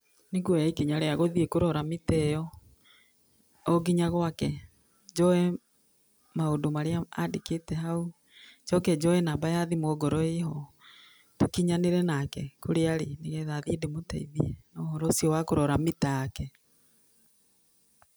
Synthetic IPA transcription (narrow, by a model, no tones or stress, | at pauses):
neɡwoaikiɲaɾeaɣoðiekoɾɔɾametɛjɔ | ɔɡiɲaɣwakɛ | d͡ʒɔɛ | maondomaɾeaa̰deketɛhau | d͡ʒɔkɛd͡ʒɔɛnabajaðimoɡɔɾɔeɦɔ | tokiɲaneɾɛnakɛkoɾeaɾeneɣɛðaðiedemotaiðiɛnɔhɔɾɔsijɔwakoɾɔɾamitaakɛ